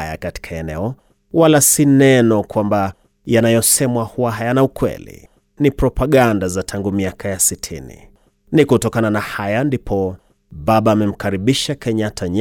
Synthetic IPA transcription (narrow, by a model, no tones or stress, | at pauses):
ja̰kati̥kʰaɛnɛɔ | walasinɛnɔkwamba | janajɔsɛmwahuwaɦajanaukwɛ̰lḭ | nipɾɔpaɠandazatʰaŋɡumiakʰajasitʰḭnḭ | nikutɔkananahajandipʰɔ | ɓaɓaːmɛm̩kaɾiɓiʃakɛɲatʰaɲ